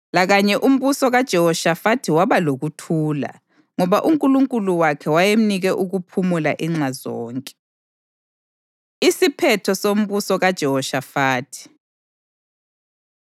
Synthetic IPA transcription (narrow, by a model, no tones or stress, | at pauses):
laɣaɲɛʔum̩βusɔɣad̥ʒ̥ʱɛhɔʃafatʰiwaβaloɣutʰuːla̰ | ŋɔβaʔuŋkʼuluŋkʼuluwakʰɛwajem̩niɣɛʔuɣupʰumula̰ʔiŋ͡ǁazɔ̰ːŋkʼɛ̥ | isipʰɛtʰɔsom̩βusɔɣad̥ʒ̥ʱɛɦɔʃafaːtʰi̥